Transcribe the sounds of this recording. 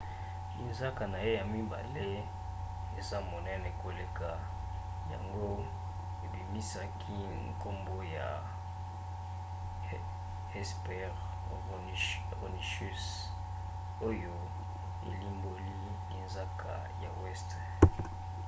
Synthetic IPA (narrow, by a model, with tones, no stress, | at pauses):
i˨nza˦ka˨na˨je˦ja˨mi˦ba̰˨le˦ | e˨za˦˨mɔ˨nɛ˦ne˨ko˨le˨ka˨ | ja̰˨ŋɡo˦ | e˨bi˨mi˦sa˦kʰi˦ | ŋko˦mbo˦ja˨ | ɛ˦spɛ˦ʁ | o˨ni˨ʃu˦s | o˦jo˦ | ḛ˨li˦mbo˦li˦ | i˨nza˦kʰa̰˨ | ja̰˨wɛ˦st